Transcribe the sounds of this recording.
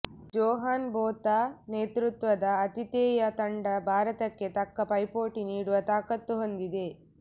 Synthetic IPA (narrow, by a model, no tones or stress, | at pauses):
d͡ʒɔːɦaːnboːt̪aneːt̪ɾut̪ʋɐd̪ɐːt̪it̪eːjɐt̪ɐɳɖɐbʱaːɾɐt̪ɐkːe̞t̪ɐkːɐpɐjpoːʈiniːɽuʋɐt̪aːkɐt̪ːuɦond̪id̪e̞